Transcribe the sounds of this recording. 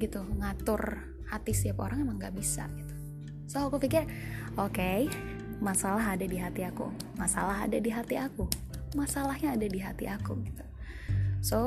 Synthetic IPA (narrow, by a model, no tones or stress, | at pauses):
ɡit̪uŋat̪ʊr | hat̪ist̪iapo̰ɾaŋemaŋɡaʔbisa̰ɡit̪u̥ | soakupikɪr | oke | masalaɦadadiɦat̪iakṵmasa̰laɦa̰dadiɦat̪iakumasalahɲaːdadiɦat̪ḭʔakuɡit̪u̥ | so